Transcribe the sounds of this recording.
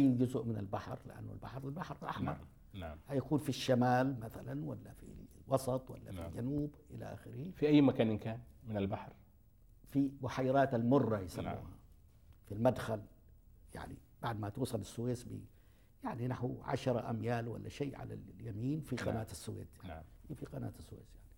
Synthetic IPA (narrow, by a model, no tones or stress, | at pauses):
ʔajːnd͡ʒʊzʊʔmɪnalbaħɾlɪ̰ʔa̰nːʊ̰lba̰ħɾˤalbaħɾˤlʔa̰ħmɑ̰ɾˤ | hajakuːnfiʃːamaːlmaθalanwalːafḭwɑsˤɑt̪ˤwa̰lːa̰fild͡ʒanuːbʔɪla̰ʔa̰xɪɾifiʔajːmakaːnɪnkaːnmɪnalbaħɾ | fibʊħajːɑɾˤaːt̪almʊrˤːɑjɪsamːṵːha | filmad̪xal | ja̰ʕnḭ | b̥aʕd̪mat̪uːsˤɑlasːʊweːsbḭ | jaʕninaħwʕa̰ʃɑɾˤɑʔa̰mjaːlwa̰lːa̰ʃeːʕa̰la̰ljamiːnfiqɑ̰naːt̪asːʊwḛːt̪jfiqɑna̰ːt̪asːwḛːsjaʕni